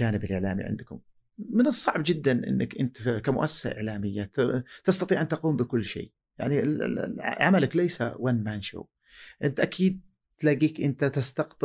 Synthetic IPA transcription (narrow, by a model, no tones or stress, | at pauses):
aːnɪbɪlʔɪʕla̰ːmḭʕɪ̰nd̪kʊ̰m | mɪnɨsˤːɑʕbd͡ʒɪd̪ːanʔɪ̰nːɪkʔɪ̰nt̪kamʊ̰ʔasːḁsa̰ʔɪ̰ʕlaːmɪjːat̪ɑst̪ɑt̪ˤiːʕʔant̪ʔɑquːmbɪkʊlːʃḛː | ja̰ʕnḭ | ʕamalaklajsa̰wanmanʃṵw | ʔɪnt̪ʔakʰiːd̪̚ | t̪laɡiːkʔɪnt̪at̪ɪst̪aqt̪